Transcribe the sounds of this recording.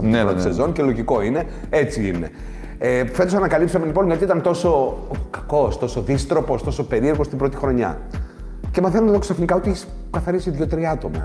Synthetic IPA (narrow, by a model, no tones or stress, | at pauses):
neot̪isezo̞nce̞lo̞ʝiko̞ine̞ | e̞t͡siine̞̰ | efe̞t̪osɐnɐkɐlipsɐmeliponʝɐt̪iit̪ɐnt̪o̞so̞kɐ̥ko̞st̪o̞so̞ðist̪ɾo̞po̞st̪oso̞pe̞ɾie̞ɾɣo̞st̪imbɾo̞t̪i̥xɾo̞ɲɐ̰ | cemɐθenot̪oksɐfnikɐot̪ieçis | kɐθɐɾisiðʝot̪ɾiɐt̪o̞mɐ̰